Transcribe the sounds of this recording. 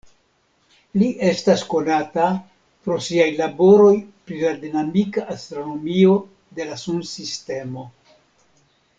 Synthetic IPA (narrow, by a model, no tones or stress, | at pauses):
liʔe̞stasko̞nata | pɾo̞siajlabo̞ɾo̞jpɾiladinamikaʔast̪ɾo̞no̞mio̞ | de̞lasunsiste̞mo̞